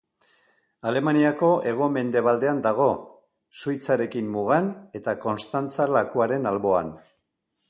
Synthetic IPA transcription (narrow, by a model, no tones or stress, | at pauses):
ale̞maniako̞ʔe̞ɣ̞o̞me̞nd̪e̞β̞ald̪e̞and̪aɣ̞o̞ | sujt͡saɾe̞kimːuɣ̞ane̞t̪ako̞nst̪ant͡salakuaɾe̞nalβo̞a̰n